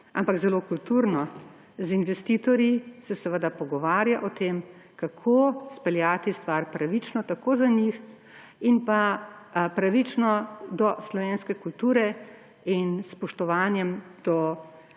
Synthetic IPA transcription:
a̰mpaɡzɛloːkult̪uɾnɔ | zinʋɛst̪it̪ɔɾjisɛsɛʋəd̪apɔɡɔʋaːɾjaʔɔt̪eːm | kakʰospɛljaːt̪ist̪ʋaɾpɾaʋit͡ʃnɔt̪akoːzaɲix | inpa | pɾaʋit͡ʃnɔd̪ɔslɔʋeːnskɛkult̪uːɾɛ | inspɔʃt̪ɔʋaːnjɛmd̪̥ɔ

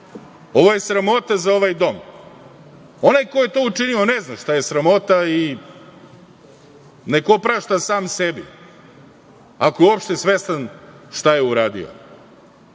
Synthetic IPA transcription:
o̞ʋoje̞sɾamo̞t̪azao̞ʋajd̪o̞m | o̞najko̞jet̪o̞ːut͡ʂinio̞neznaʃt̪aje̞sɾamo̞t̪ai | nekopɾaːʃt̪asaːmsebḭ | akojeopʃt̪e̞sʋest̪anʃt̪ajeuɾaːd̪ḭo̰

